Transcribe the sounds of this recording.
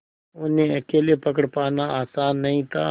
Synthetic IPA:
ʊnɦẽɐkeːlepəkəɽpaːnaaːsaːnːɐɦĩt̪ʰa̰ː

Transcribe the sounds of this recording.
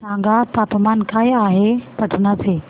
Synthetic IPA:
sãːŋɡat̪aːpmaːnkʰaːiaːɦepɐʈʰənasʰeː

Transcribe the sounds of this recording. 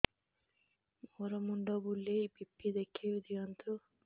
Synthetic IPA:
mɔːɾɐmuɳɖoːbulːeibipːid̪ekʰːiʋid̪ijɐnt̪u

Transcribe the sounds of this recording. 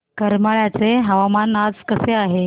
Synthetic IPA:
kəɾmaɭjat͡seɦəʋamanad͡zkəseaɦe

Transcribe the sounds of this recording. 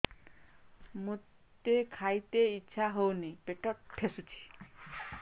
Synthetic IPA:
mu | t̪ekʰajt̪eitːʃʰaɦownipeʈɔʈ̚pʰesut͡ʃʰi̥

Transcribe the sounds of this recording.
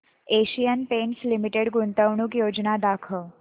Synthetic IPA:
eʃijənpenslimiʈeɽɡunt̪əʋɳukjod͡ʒnad̪akʰəɭ

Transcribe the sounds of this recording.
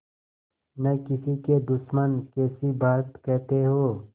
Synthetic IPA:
nɐkɪsiked̪ʊʃmənkɛːsibaːt̪kɛɦt̪eɦoː

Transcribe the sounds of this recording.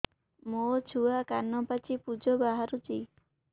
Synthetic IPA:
mot͡ʃʰuakanɔpat͡ʃʰipud͡ʒɔbaɦaɾut͡ʃi

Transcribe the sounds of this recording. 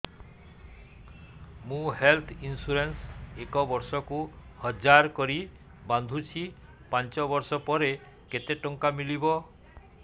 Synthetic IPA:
mũɦelt̪ʰinsuɾensekɔbɔɾsɔkuhɔd͡ʒaɾkɔɾi | band̪ʱut͡ʃʰi | pant͡ʃɔbɔɾsɔpɔɾe | ket̪eʈɔŋkamilibɔ

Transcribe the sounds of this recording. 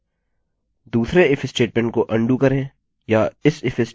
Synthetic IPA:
d̪uːsɾeɪfʰɪsʈeːʈmɛ̃ɳʈ̚koʔɐ̃ɳɖukɐɾẽː | jaɪsɪfʰɪs

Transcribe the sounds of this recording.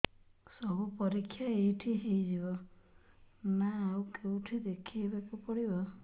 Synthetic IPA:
sɔbupɔɾikʰːjaejʈʰiɦejd͡ʒibɔ | naːwkeũʈʰid̪ekʰijbakupɔɽibɔ

